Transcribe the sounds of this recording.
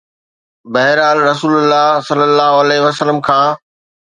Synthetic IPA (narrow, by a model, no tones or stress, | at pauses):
bɐɦɪɾaːlɾɐsuːlʊlːaɦsɐlːəlːaːɦoɐlɛːɦʋəsələmkʰãː